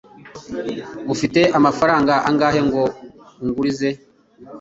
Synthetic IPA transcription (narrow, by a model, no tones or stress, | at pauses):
mufite̞ʔamafaɾaːŋɡaʔaŋɡaːhe̞ŋɡo̞uŋɡuɾize̞